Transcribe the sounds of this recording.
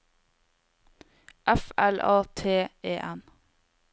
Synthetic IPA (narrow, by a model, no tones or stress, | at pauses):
ʔæfɛlʔɑːt̪ʰeːeːʔɛn